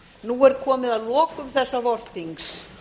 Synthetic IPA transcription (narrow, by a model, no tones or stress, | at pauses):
nuɛɾkʰɔːmɪðaðlɔːkʏmθɛsːavɔr̥θiŋks